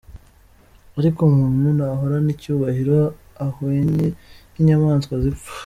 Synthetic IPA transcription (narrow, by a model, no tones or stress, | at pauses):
aɾikomuːnhunaɦoɾanicuːβahiɾo | ahoɲeniɲamaːnskwaziu̥